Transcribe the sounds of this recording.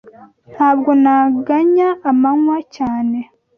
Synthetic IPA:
n̥haːbɡo̞naɡaɲaːmaŋwacaːne̞

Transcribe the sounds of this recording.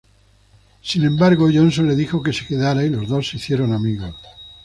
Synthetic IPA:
sinẽ̞mbaɾɣoʝo̞nsonle̞ðixoke̞se̞ke̞ðaɾailo̞zðo̞sːeiθje̞ɾo̞namiɣa

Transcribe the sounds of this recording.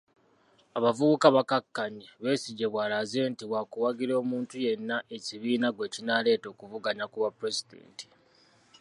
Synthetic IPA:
aβavuβukaβakakːaɲiβe̞ːsiɟeβwaːlazentiβwakuwaɡiɾo̞ːmuːntuje̞nːaʔe̞ciβiːnaɡwe̞ːcinale̞ːto̞ːkuvuɡaɲakuβapɾe̞zidḛːnti̥

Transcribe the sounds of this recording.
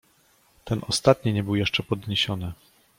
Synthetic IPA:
t̪ɛnʔɔst̪at̪ɲiɲɛbɘwjɛʂt͡ʂɛpɔd̪ɲeɕɔnɘ

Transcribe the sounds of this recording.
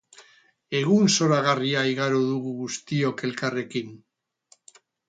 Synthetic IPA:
e̞ɣunso̞ɾaɣ̞ariaiɣaɾuðuɣuɣust̪io̞ke̞lkare̞kin

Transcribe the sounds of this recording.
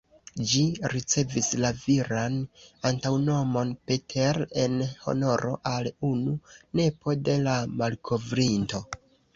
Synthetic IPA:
d͡ʒiɾit͡se̞vislaviɾanantawno̞mo̞npe̞tʰeɾe̞nho̞̰no̞ɾo̞̰ʔalunune̞po̞de̞lamalkʰo̞vɾinto̞

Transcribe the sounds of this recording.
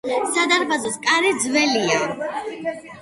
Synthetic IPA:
sad̪aɾbad̪ɔskʼaɾid̪zvɛlia

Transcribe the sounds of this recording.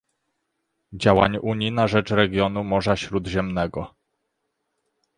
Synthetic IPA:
d͡ʑawa̰ɲuɲinaʐɛt͡ʂɾɛɡʲjɔnumɔʐaɕɾud̪ʑɛmnɛɡɔ

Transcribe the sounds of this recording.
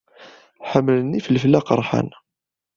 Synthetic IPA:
ħəmːlənːifəlflːaqɾˤːħa̰n

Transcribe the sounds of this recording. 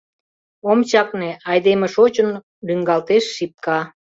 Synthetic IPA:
omt͡ɕɑkneɑjd̪emeʃot͡ɕən | lyŋɡɑlt̪eʃːip̚kɑ

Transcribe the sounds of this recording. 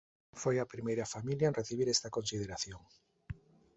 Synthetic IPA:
fojɐpɾimejɾɐfamiljanreθiβ̞iɾɛst̪ɐkonsið̞eɾaθjoŋ

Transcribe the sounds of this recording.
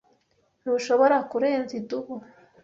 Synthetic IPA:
nuʃo̞βoɾakuɾeːnziduβu

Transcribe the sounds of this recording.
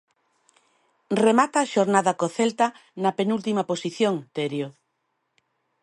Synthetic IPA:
remat̪aʃoɾnaðɐkoθelt̪anɐpenult̪imɐposiθjoŋt̪eɾjo

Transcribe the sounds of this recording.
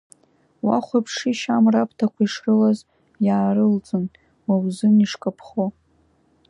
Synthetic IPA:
wa̰χʷapʰʂiʃamrapʰtʰakʷʰaiʂrɨlaz | jaːrɨlt͡sʼɨn | wawzɨniʂkʼapʰχo

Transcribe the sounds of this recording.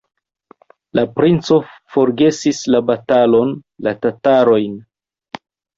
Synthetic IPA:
lapɾint͡so̞fo̞ɾɡe̞sislabatalo̞nlatataɾo̞jn

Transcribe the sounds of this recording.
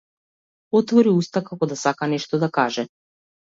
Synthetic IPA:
ɔt̪vɔɾiust̪akakɔd̪asakanɛʃt̪ɔd̪akaʒɛ

